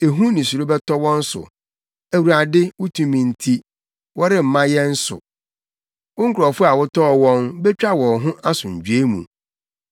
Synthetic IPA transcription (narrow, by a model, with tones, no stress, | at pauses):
e˨ɦũ˦nĩ˨su˨ɾo˦bɛ˦tɔ˦wɔ̃˦n̩˦sʊ̰˨ | æ˨wu˨ɾa˨dɪ˦wʊ˦tʰũ˨mĩ˨n̩˦tʰi˦ | wɔ˦ɾɪ˦m̩˨mã˦jɛ˦n̩˦sʊ̰˨ | wʊ̃˦ŋ̩˦kʰʊ˨ɾɔ˨fʊ˦a˨wʊ˦tʰɔ˦ɔ˨wɔ̃˦nbɛ˦t͡ɕᶣa˦wɔ̃˨ɦʊ̃˦ʔa˦sʊ̃˨ɲ̩˨d͡ʑᶣɥe˦mṵ̃˨